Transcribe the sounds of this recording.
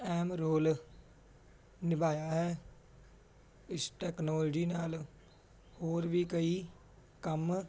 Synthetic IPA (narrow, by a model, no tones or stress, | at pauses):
ɛːmɾoːl | nɪbaːjaɦɛː | ɪsʈɛːknɔːld͡ʒinaːl | hoːɾbʱikəi | kəm